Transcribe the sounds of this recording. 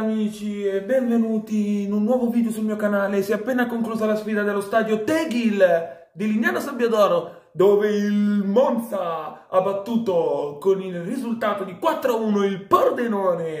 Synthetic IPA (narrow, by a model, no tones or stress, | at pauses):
amiːt͡ʃiebːɛɱvenuːt̪iːnunːwɔːvovid̪eosulmiːokanaːlesiapːeːnakoŋkluːzalasfiːd̪ad̪elːost̪aːd̪jot̪ɛɡil | d̪ilinjaːnosambjad̪ɔːɾo | d̪oːveilmont̪saabːat̪ːuːt̪okonilrizult̪aːt̪od̪ikwat̪ːɾouːnoilpord̪enoːne